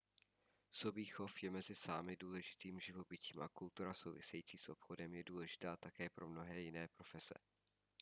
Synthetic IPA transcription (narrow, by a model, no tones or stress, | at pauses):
sobiːxo̞fjɛmɛzɪsa̰ːmɪduːlɛʒɪt̪iːmʒɪvo̞bɪciːmʔa̰kult̪uɾaso̞wvɪ̰sɛjiːt͡siːsʔo̞pxo̞dɛmjɛduːlɛʒɪ̥t̪aːt̪akɛːpɾo̞mno̞ɦɛːjɪnɛːpɾo̞fɛsɛ̰